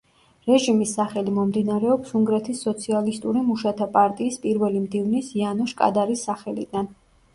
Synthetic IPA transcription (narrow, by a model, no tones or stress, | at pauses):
ɾɛʒimisːaχɛlimɔmd̪inaɾɛɔpsuŋɡɾɛt̪ʰisːɔt̪sʰialist̪ʼuɾimuʃat̪ʰapʼaɾt̪ʼiːspʼiɾvɛlimd̪ivnisianɔʃkʼa̰d̪aɾisːaχɛlḭd̪an